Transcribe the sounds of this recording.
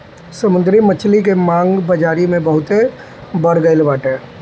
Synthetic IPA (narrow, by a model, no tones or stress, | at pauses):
səmund̪ɾimət͡ʃʰlikemaŋɡbəd͡ʒaɾimẽbəɦʊt̪e | bəɽɡəɪlbaʈe